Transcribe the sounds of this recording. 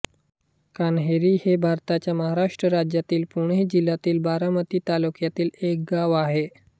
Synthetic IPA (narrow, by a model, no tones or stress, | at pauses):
kanɦeɾiːhebʱaɾt̪at͡ɕjaməɦaɾaʂʈɾəɾad͡ʑjat̪iːlpuɳed͡ʑilːat̪iːlbaɾamət̪iːt̪alukjat̪iːlek̚ɡaʋaɦe